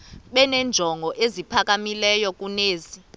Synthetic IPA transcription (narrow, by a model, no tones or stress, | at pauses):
ɓɛnɛnd͡ʒʱɔŋɡʱɔʔezipʰak̬ʼamilɛjɔk̬ʼuneːzi